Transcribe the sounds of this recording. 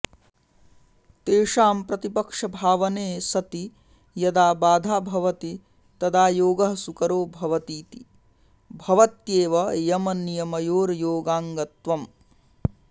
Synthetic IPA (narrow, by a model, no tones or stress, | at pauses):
t̪eːʂaːmpɾɐt̪ipɐkʂɐbʱaːʋɐneːsɐt̪i | jɐd̪aːbaːd̪ʱaːbʱɐʋɐt̪i | t̪ɐd̪aːjoːɡɐɦɐsukɐɾoːbʱɐʋɐt̪iːt̪i | bʱɐʋɐt̪jeːʋɐjɐmɐnːijɐmɐjoːɾjoːɡaːŋɡɐt̪ʋɐm